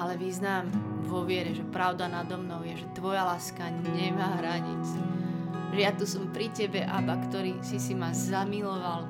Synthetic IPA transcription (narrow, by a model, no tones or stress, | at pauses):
alɛʋiznaːmʋɔʋɪɛɾɛʒɛpɾaʊd̪anad̪ɔmnɔʊjɛʒɛt̪ʋɔjalaːska | ɲɛmaːɦɾaɲḭt͡s | ʒɛjat̪usɔmpɾicɛbɛʔa̰bakt̪ɔɾiːsisimazamilɔʋal